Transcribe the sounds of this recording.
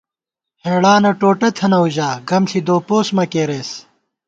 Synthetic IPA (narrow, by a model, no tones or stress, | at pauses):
heːɽaːnɐʈoːʈɐt̪ʰɐnɐuʑaːɡɐmɬid̪oːpoːsmɐkeːɾeːs